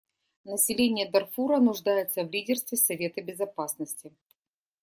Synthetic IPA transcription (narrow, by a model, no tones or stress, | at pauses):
nəsʲɪlʲenʲɪjəd̪ɐrfuɾənʊʐd̪ajɪt̪səvlʲidʲɪrst̪vʲɪsɐvʲe̞t̪əbʲɪzɐpasnəsʲtʲɪ